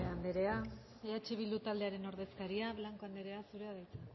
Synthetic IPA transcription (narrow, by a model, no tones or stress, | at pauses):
eand̪eɾe̞a | eat͡ʃeβild̪ut̪ald̪e̞aɾe̞no̞ɾð̞e̞skaɾiaβlaŋko̞and̪eɾe̞asuɾe̞aðajt͡sa